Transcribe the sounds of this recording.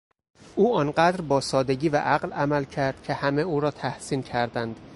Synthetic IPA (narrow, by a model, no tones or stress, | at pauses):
ʔuːɒnɢæd̪ɾbɒːsɒːd̪eɟʲiːvæ̰ʔæɢlæmælcʰæɾd̪̥̚cʰe̞hæme̞uːɾɒːt̪ʰæhsiːncʰæɾd̪ænd̪̥